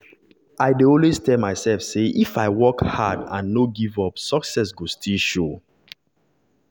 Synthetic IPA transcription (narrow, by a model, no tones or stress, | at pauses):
aɪdeõnwestɛmaɪsɛlfseʔifaɪwɔkha̰dã̰nːoɡivɔpsɔksɛs̬ɡostʰilʃo